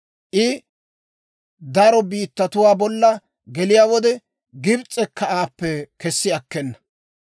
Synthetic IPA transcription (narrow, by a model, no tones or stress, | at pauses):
ʔɪ | d̪ɐɾɔbiːt̪ːɐt̪ʊwaːbɔlːɐ | ɡɛlɪjaːwɔd̪ɛ | ɡɪbt͡sʼɛkʰːɐaːpːɛkɛsːɪɐkːɛnːɐ̥